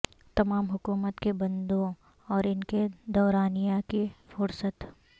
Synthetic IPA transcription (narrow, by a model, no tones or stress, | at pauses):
t̪ɐmaːmɦʊkuːmət̪kebɐ̃nd̪õ | ɔːɾɪnked̪ɔːɾaːnijakifʊɾsət̪